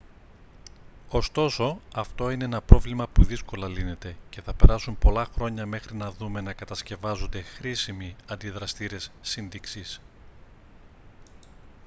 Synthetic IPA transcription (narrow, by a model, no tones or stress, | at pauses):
o̞st̪o̞so̞ɐft̪o̞ine̞enɐpɾo̞vlimɐpuðisko̞lɐline̞t̪e̞ce̞θɐpe̞ɾɐsumpo̞lɐxɾo̞ɲɐme̞xɾinɐðume̞nɐkɐt̪ɐsce̞vɐzo̞nd̪e̞xɾisimiɐnd̪iðɾɐst̪iɾe̞sːinðiksis